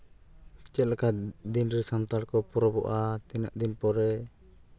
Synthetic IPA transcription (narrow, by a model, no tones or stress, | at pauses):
t͡ʃɛt̪̚lakad̪inɾɛsamt̪aɾkɔpɾɔbɔ̰ʔat̪ɛnaʔd̪inpɔɾɛ